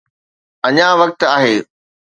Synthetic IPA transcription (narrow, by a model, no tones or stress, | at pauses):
ɐɲãʋɐk̚t̪aːɦeː